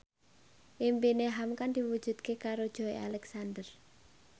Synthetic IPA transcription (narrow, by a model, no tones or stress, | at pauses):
ʔimpineɦamkand̪iwud̥ʒ̥ṳd̪̚kekaɾod̥ʒ̥ɔ̤ea̰lɛksand̪ər